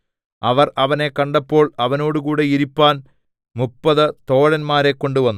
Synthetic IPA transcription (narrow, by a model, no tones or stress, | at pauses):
ɐʋɐrɐʋɐne̞kɐɳɖɐpːo̞ːɭɐʋɐno̞ːɽukuːɽe̞iɾipːaːn | mupːɐðɨt̪o̞ːɻɐnmaːɾe̞kːo̞ɳɖuʋɐnː